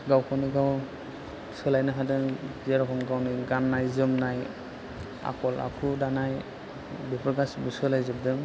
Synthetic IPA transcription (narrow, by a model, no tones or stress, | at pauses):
ɡawkʰɔwniɡaw | sɯlajnɯɦadɯŋzeɾɔkʰɔmɡawniɡanːajzɯmnaj | a̰kʰɔla̰kʰudanaj | bipʰɾɡasbɯsɯlajzɯb̚dɯŋ